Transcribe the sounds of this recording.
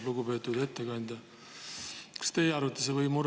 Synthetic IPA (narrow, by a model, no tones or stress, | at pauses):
luɡ̥upe̞ːt̪ːud̪e̞t̪ːekɑnʲd̪̥ɑ | kɑ̥st̪e̞ːɑɾut̪ːˑɑsevɤjmuɾ